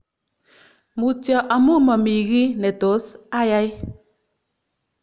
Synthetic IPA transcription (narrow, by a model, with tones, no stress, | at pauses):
mu˨tjɔ˨ʔa˨mu˦mɔ˨mi˨ɣi˦nɛ˨to˨˦sa˦ja˦j